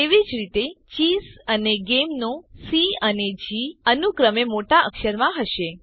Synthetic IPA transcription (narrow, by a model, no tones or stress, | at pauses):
t̪eʋid͡ʒɾit̪et͡ʃisəneɡemnosiəned͡ʒiənukɾəmemoʈaʔə̰kʃəɾmãɦəʃe